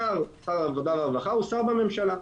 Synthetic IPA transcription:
aʁsaʁaːvod̪avaavaχausaʁbame̞mʃala

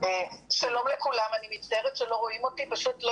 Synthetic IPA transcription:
eʃalo̞mlekulamanimit̪t͡staeʁetʃelo̞ʁo̞imo̞tipaʃutlo

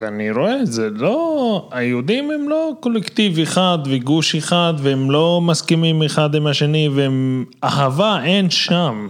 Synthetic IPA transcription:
veaniɾo̞ezeloajeud̪imemlo̞ko̞lekt̪iveχad̪veɡuʃeχad̪veemlo̞maskimimeχad̪imaʃe̞niveemahavaʔenʃam

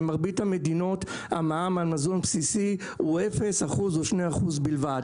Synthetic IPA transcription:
maʁbithame̞dino̞t | amaamalmazonpsisi | uefe̞saχuzoʃnejaχuzbilvad

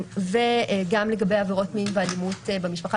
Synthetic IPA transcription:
veɡamleɡabe̞javeʁo̞tminvealimutbemiʃpaχa

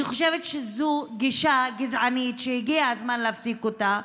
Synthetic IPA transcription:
iχoʃevet̪ʃezuɡiʃaɡizʕanit̪ʃejiɡiaazmanleafsikota

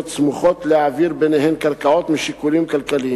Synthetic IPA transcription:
t̪smuxot̪lɪʕaviɾbenehɛmkaɾkaʕot̪mɪʃɪkuliːmkalkaliː

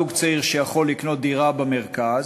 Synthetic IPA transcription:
uɡt͡saiʁʃejaχo̞lːikno̞t̪̚d̪iʁabameʁkaz

